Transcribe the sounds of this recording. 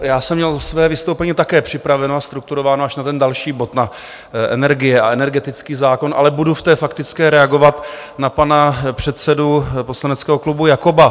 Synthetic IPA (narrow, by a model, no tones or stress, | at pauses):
jaːsɛmɲɛlsvɛːvɪst̪owpɛɲiːt̪akɛːpr̝̥ɪpɾavɛnoast̪ɾukt̪uɾo̞vaːnoaʃnat̪ɛndalʃiːbo̞t̪na | ʔɛ̰nɛɾɡɪjɛa̰ɛnɛɾɡɛt̪ɪt͡skiːzaːko̞nʔa̰lɛbuduft̪ɛːfakt̪ɪt͡skɛːɾɛaɡo̞vat̪ | napanapr̝̥ɛt̪t͡sɛdupo̞slanɛt͡skɛːɦo̞klubujakoba